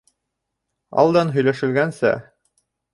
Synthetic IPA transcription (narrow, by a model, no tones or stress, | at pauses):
ɑ̰lˠd̪ɑnɦɵ̆jlæʃɘ̆lɡænsæ̰